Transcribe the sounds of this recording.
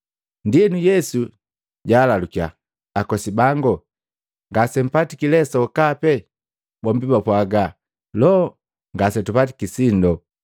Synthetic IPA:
ndiɛnujɛsu | ɟaːlalukja | akɔsibaŋɡɔ | ŋɡasɛm̩patikilɛsɔkapɛ | bɔmbibapwaɡa | lɔ | ŋɡasɛtupati̥kisindɔ

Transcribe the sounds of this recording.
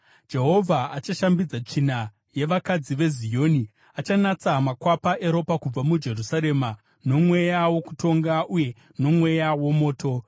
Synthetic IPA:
d͡ʒe̞ɦo̞vʱaat͡ʃaʃambid͡zat͡ʂina | je̞ʋakad͡ziʋe̞zio̞ːni | at͡ʃanat͡samakwapaʔeɾo̞pakub͡vamud͡ʒe̞rusaɾe̞ma | no̞mwe̞jawo̞ku̥to̞ŋɡaʔuje̞ | no̞mwe̞jawo̞mo̞ːtʰo̞

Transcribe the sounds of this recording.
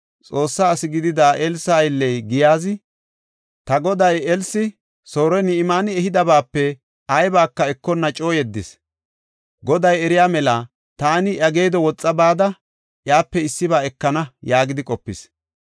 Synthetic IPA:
t͡sʼo̞ːsːaːsɪɡɪd̪ɪd̪aːʔɛlsɐːjlːɛjɡɪjaːzɪ | t̪ɐɡɔd̪ɐjɛlsɪ | soːɾɛnɪɪmaːnɪɛɦɪd̪ɐbaːpːɛ | ɐjbaːkːɐɛkːɔnːɐt͡ʃʼo̞ːjɛd̪ːɪs | ɡɔd̪ɐjɛɾɪjaːmɛlɐ | t̪aːnɪʔɐɡe̞ːd̪ɔwɔt͡sʼːɐbaːd̪ɐ | ʔjaːpːɛɪsːɪbaːɛkːɐnɐjaːɡɪd̪ɪkʼɔpːɪs

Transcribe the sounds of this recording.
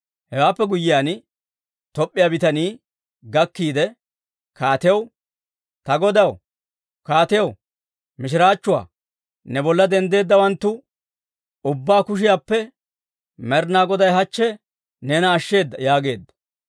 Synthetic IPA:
hɛwaːpːɛɡʊjːɪjaːn | t̪ɔpʼːɪjaːbɪt̪ɐniː | ɡɐkːiːd̪ɛ | kaːt̪ɛɛw | t̪ɐɡɔd̪ɐw | kaːt̪ɛɐw | mɪʃɪɾaːt͡ʃːʊwa̰ː | nɛbɔlːɐd̪ɛnd̪e̞ːd̪ːɐwɐnt̪ːʊ | ʊbːaːkʊʃ̬ɪjaːpːɛ | mɛɾnaːɡɔd̪ɐjɦɐt͡ʃːɛ | nɛnɐːʃːe̞ːd̪ːɐjaːɡe̞ːd̪ːɐ̥

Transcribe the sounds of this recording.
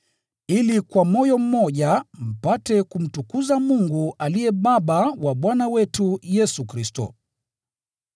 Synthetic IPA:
ilikwamɔjɔm̩mɔʄam̩patɛkum̩tukuzamuŋɡuʔalijɛɓaɓawaɓwanawɛtujɛsukɾistɔ̰

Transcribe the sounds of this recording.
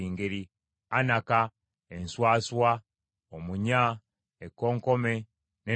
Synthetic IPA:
iːŋɡeɾi | anaka | enswaːswa | omuɲa | ekːo̞ːŋkome | ne

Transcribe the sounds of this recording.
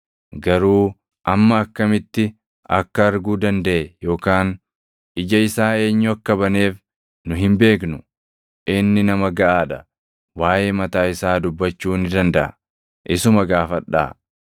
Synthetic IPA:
ɡɐɾuː | ʔɐmːɐːkːɐmɪt̪ːɪ | ʔɐkːɐːɾɡuːd̪ɐnd̪ɐʔɛjo̞ːkaːn | ʔɪd͡ʒɐɪsaːe̞ːɲːʊɐkːɐbɐneːf | nʊɦɪmbe̞ːk̬nʊ | ʔɪnːɪnɐmɐɡɐʔaːᶑɐ | waːjeːmɐt̪aːɪsaːd̪ʊbːɐt͡ʃːuːnɪd̪ɐnd̪ɐʔɐ | ʔɪsʊmɐɡaːfɐᶑːa̰

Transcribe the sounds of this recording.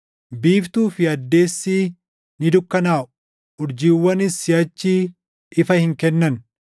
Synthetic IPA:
biːft̪uːfɪɐd̪ːe̞ːsːiː | nɪd̪ʊkːɐnaːʔʊ̥ | ʔʊɾd͡ʒiːwːɐnɪsːɪjɐt͡ʃːiː | ɪfɐhɪŋkɛnːɐn

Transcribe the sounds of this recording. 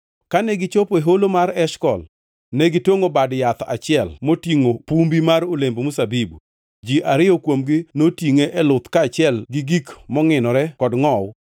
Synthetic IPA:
kanɛɡɪt͡ʃopoeɦolomaɾɛʃkɔl | nɛɡɪtoŋobadjat̪a̰t͡ʃɪɛlmotiŋopumbimaɾolembomusabibu | d͡ʒiʔaɾɪɔkwomɡɪnotiŋeʔɛlʊt̪kaːt͡ʃɪɛlɡɪɡikmɔŋɪnɔɾɛkɔdŋɔw

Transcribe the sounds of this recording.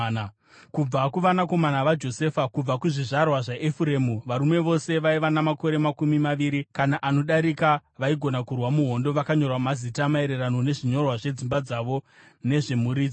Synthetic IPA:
kub͡vakuʋanako̞manaʋad͡ʒo̞se̞fakub͡vakuʐiʐarwaʐaʔefuɾemuʋaɾume̞ʋo̞se̞ʋaiʋanamako̞ɾe̞makumimaʋiɾikanaʔano̞ɗaɾikaʋaiɡʱo̞nakurwamuɦo̞ndo̞ʋakaɲo̞rwamazitamae̞ɾe̞rano̞ne̞ʐiɲo̞rwaʐe̞d͡zimbad͡zaʋo̞ | ne̞ʐe̞muɾiːd͡zi

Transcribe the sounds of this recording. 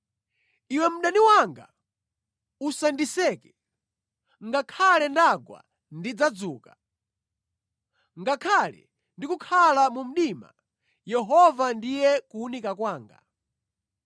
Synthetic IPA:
iwɛmuɗaniwaŋɡa̰ | usandisɛːkɛ̥ | ŋɡakʰalɛndaɡwa̰ | ndid͡zad͡zuːkḁ | ŋɡakʰalɛ̰ | ndikukʰalamum̩ɗima̰ | jɛɦɔvandijɛkuːnikakwaːŋɡa̰

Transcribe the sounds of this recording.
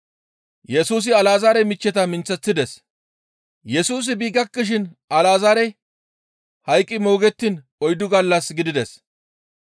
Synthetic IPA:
jɛsuːs̬ɪɐlaːzaːɾɛmɪt͡ʃːɛt̪ɐmɪnt͡sːɛt͡sːɪd̪ɛs | jɛsuːs̬ɪbiːɡɐkːɪʃ̬ɪnɐlaːzaɾɛ | hɐjkʼːɪmo̞ːɡɛt̪ːɪn | ɔjd̪ʊɡɐlːɐsɡɪd̪ɪd̪ɛs

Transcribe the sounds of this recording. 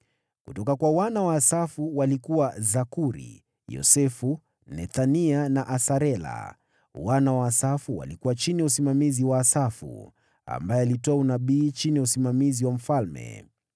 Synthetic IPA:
kutɔkakwawanawaːsafuwalikuwazakuɾḭ | jɔ̰sɛfu | nɛt̪anianaʔasaɾɛla̰ | wanawaːsafuwa̰likuwat͡ʃiniusimamiziwaːsafṵ | a̰mbajɛalitɔaunaɓiːt͡ʃiniusimamiziwam̩falmɛ̰

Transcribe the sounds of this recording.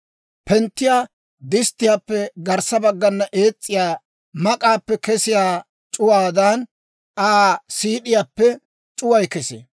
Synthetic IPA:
pɛnt̪ːɪjaː | d̪ɪst̪ːɪjaːpːɛɡɐɾsɐbɐɡːɐnːɐʔeːt͡sʼːɪjaː | mɐkʼaːpːɛkɛsɪjaː | t͡ʃʼʊwaːd̪ɐn | aːsiːɗɪjaːpːɛ | t͡ʃʼʊwɐjkɛsḛː

